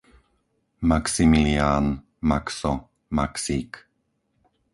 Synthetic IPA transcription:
maksimilian | makso | maksik

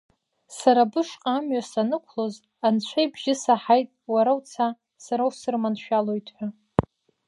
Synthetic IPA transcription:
saɾabɨʂqʼamɥasanɨkʷʰlo̞z | ant͡ɕʷʰajbʒɪsaħajtʼwaɾawt͡sʰa | saɾawsɨrmanʃᶣalo̞jtʰʼħʷᶣa

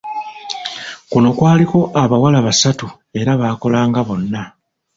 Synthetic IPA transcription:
kuno̞kwaːliko̞ʔaβawalaβasatu | e̞ɾaβaːko̞laːŋɡaβo̞nːa

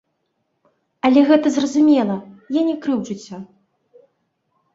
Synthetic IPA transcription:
ɐlʲɛɣɛt̪ɐzrɐzumʲɛlˠɐjanʲɛkɾɨwt͡ʂut͡sʲːɐ

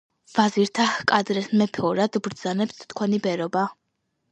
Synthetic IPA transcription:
vaziɾt̪ʰahkʼad̪ɾɛsmɛpʰɛɔɾad̪bɾd̪zanɛpst̪ʰkʰwɛnibɛɾɔba

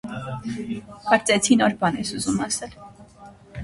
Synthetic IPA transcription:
hʰɑɾt͡sʼɛt͡sʰinɔɾbɑnɛsuzumɑsɛl

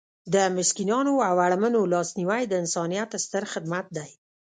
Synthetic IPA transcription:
d̪əmɪʃkinɑnoawaɽmənolɑsniwajd̪əɪnsɑnijat̪st̪əɾxɪd̪mat̪̚d̪aj

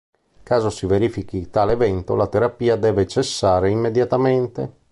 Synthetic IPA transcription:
kaːzosiveɾiːfik̟it̪alevɛnt̪olat̪eɾapiːad̪ɛːvet͡ʃesːaːɾeimːed̪jat̪ament̪e

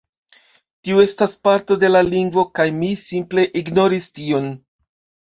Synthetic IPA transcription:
tiue̞staspaɾto̞de̞laliŋɡvo̞kajmisimple̞ʔiɡno̞ɾistio̞n

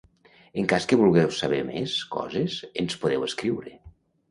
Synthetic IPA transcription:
eŋkaskəβulˠɣɛwsaβɛmḛskɔ̰zezenspoðɛweskɾiwɾe

